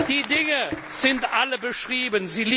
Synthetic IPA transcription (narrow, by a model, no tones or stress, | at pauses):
d̥iːdɪŋə | z̥ɪntʔaləbəʃʁ̥iːbənziːlː